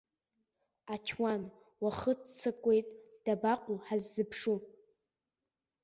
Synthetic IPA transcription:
at͡ʃʰwan | waχətt͡sʰɨkʷʼejtʼd̥abaqʷʼuħazːɨpʰʂu

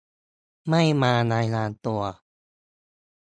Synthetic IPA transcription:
majmanajlant̪ua

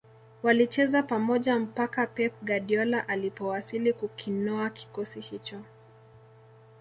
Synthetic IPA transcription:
walit͡ʃɛzapamɔʄam̩pakapɛp̚ɡaɗiɔlaʔalipɔwasilikukʰinɔaki̥kɔsihit͡ʃɔ

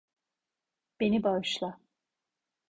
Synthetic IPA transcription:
b̥e̞nibaʃlˠa

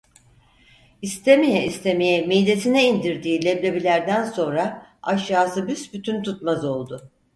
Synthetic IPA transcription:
ist̪ʰemijɛist̪ʰemijɛmijlʲe̞t̪ʰinɛind̪iɾd̪iːlʲeblʲe̞bilʲæɾd̪ænso̞nɾaaʃjaːsɯbysbyt̪ʰynt̪ʰut̪mazo̞lˠd̪ʊ

